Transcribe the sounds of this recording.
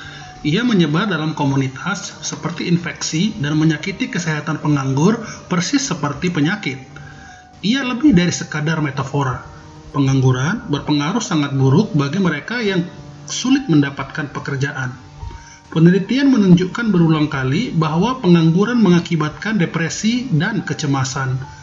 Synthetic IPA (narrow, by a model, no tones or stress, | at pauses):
ʔiaməɲəbat̪̚dalamkomunit̪ʰasːəpərt̪iːnfɛksidanməɲakit̪ikəsɛɦat̪anpəŋaŋɡʊrpərsɪsːəpərt̪ipəɲakɪt̪̚ | ʔialəbɪhdaɾisəkadarmet̪afoɾa | pəŋaŋɡuɾanbərpəŋaɾʊhsaŋat̪̚buɾʊk̚baɡiməɾekajaŋ | sulɪt̪̚məndapat̪̚kanpəkərd͡ʒaʔan | pənəlit̪ianmənuɲd͡ʒukanbəɾulaŋkalibaɦwapəŋaŋɡuɾanməŋakibat̪̚kandepɾesidankət͡ʃəmasan